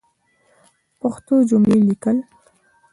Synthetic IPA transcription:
pəxt̪od͡ʒʊmlelikəl

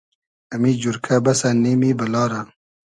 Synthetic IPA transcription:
ɐmid͡ʒuɾkʰabɐsaneːmibɐlɑːɾa

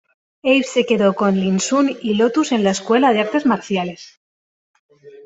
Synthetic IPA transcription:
ejse̞ke̞ðo̞ko̞nlinsunilo̞t̪use̞nlaeskwe̞lað̞eaɾt̪e̞zmaɾθjale̞s

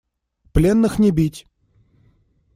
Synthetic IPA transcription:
plʲenːɨxnʲɪbʲitʲ

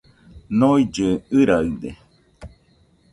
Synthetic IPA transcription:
noid͡ʒɨɨɾaɯd̪ḛ

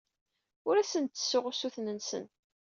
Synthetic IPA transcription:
ʊɾæsənt̪ːə̥sːʊʁʊsuθnənsə̰n

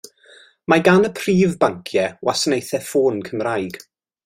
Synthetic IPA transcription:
maɡanəpʰr̥iːvbaŋkʰjɛwasnejθɛfoːnkʰəmrajɡ̥

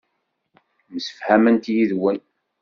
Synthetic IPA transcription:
məsə̥fhæmənt̪jiðwən

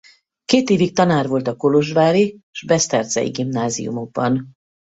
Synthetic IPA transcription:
keːt̪eːvik̚t̪ɒnaːrvo̞lt̪ɒko̞lo̞ʒvaːɾiʒbɛst̪ɛrzɛ̰ḭɡimnaːzḭjṵmo̞ɡ̚bɒn

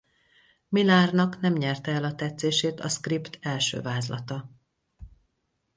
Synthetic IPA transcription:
milaːrnɒknɛmɲɛrt̪ɛɛlɒt̪ɛt̪seːʃeːt̪ɒ̰skript̪ʰɛlʃø̰ːvaːzlɒ̰t̪ɒ

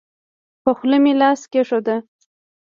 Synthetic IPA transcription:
pəxləmilɑskeʂod̪a

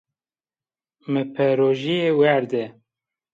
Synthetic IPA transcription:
mɨpʰɛɾoːʒijewæɾd̪ɛ

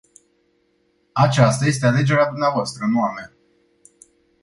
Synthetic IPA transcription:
at͡ʃast̪aje̞s̬t̪e̞ale̞d͡ʒe̞ɾead̪umneavoast̪ɾəɨnoama

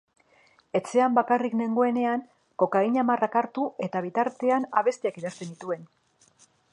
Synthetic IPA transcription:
e̞t͡se̞ambakarikne̞ŋɡo̞e̞ne̞aŋ | ko̞kaiɲamarakaɾt̪uʔe̞t̪aβ̞it̪aɾt̪e̞ana̰βe̞st̪iakiðast̪e̞nd̪it̪ue̞n

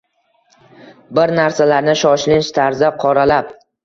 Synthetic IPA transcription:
bɪɾnaɾsalaɾnɪʃɒʃlɪnʃt̪ʰaɾzaqʰɒɾalap

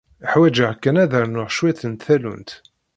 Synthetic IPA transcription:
əħwæd͡ʒəʁkːænæðəɾnʊʁʃwæθənt̪θælṵnt̪

